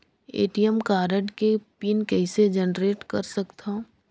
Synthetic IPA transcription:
ḛːʈijəmkaːɾəʈkepinkɛɦsed͡ʒənɾeːʈkɐɾsɐkt̪ã

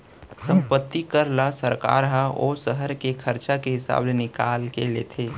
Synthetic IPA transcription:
sə̃mpət̪ːikəɾlasəɾka̰ːɾɦao̰ːsəɦəɾkekʰəɾt͡ʃakeɦɪsa̰ːblenɪkaːlkelḛːt̪ʰeː

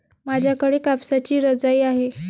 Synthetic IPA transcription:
mad͡ʑʱjakəɽekapsat͡ɕiːɾəd͡zajːaɦe

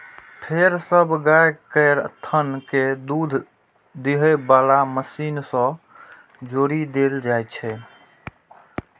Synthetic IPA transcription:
pʰeɾsəbʱɡajkəɾt̪ʰənked̪ud̪ʱ | d̪iɦəbalaməsinsə̃ | d͡ʒoɾid̪eld͡ʒajt͡ʃʰɛ

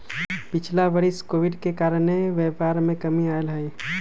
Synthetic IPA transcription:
pɪt͡ʃʰlabəɽɪskoːʋɪɖkekaːɾəneʋeːpaːɾmẽkəmiaːelɦɛj

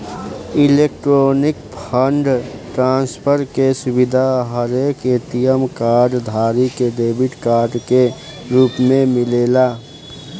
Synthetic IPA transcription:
ɪleːk̚ʈɾoːnɪk̚pʰəɳɖʈɾãːnspʰəɾkesʊbɪd̪ʱaɦəɾeket̪ijəmkaːɾɖd̪ʱaːɾiked̪eːbɪʈkaːɾɖke | ɾuːpmẽmɪleːlaː

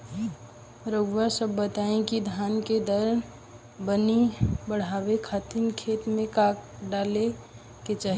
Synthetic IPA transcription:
ɾəɡʋasəbːət̪aẽkid̪ʱanked̪əɾn | bənibəɽ̤abekʰat̪imkʰet̪mẽkak̚ɖale | ket͡ʃaɦi

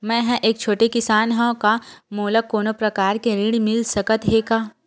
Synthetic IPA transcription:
mɛ̃ːɦɛ̃ʔeːk̚t͡ʃʰoːʈekɪsaːnɦõkamoːləkːoːnopɾɐkaːɾkeɾiːɽmɪlsɐkət̪ɦeːkaː

